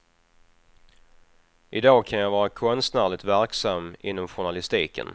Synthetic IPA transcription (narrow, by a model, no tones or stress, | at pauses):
ʔɪd̪ɑːkʰanjavɑːɾakʰɔnst̪næːɭɪt̪væɾksamːɪnːɔmɧʊɳalɪst̪iːkə̰n